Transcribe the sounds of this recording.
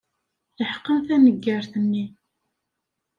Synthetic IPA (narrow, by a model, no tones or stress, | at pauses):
θəħə̥qːəmθænəɡːəɾθənːi